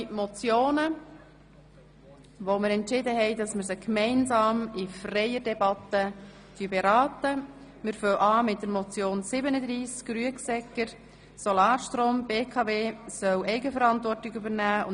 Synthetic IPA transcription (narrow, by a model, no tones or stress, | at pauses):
mɔt͡sjoːnə | ʋoməɾɛntʃɪdəɦɛɪdɑsməɾsəkmɛɪnsɑːmifrɛjədɛbɑt̪ːə | d̥yəbɛɾɑːtə | mɪɾfœwʔɑːmɪt̚d̥əɾmɔt͡sjoːnsɪbənəd̪ɾiːsɡ̥ɾyəksɛkəɾ | sɔlɑːɾʃtɾoːmbeːkʰɑveːsœwʔɛɪɡəfəɾɑntʋɔrtɪɡybəɾnæːʊ̰n